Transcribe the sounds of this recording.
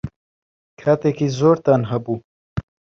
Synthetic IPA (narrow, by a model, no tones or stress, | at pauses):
kʰaːt̪eːkizoːɾt̪anɦɐbuː